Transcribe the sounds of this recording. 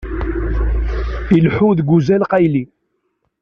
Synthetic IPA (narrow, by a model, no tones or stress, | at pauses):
ilħuðɡʷuzælqæjli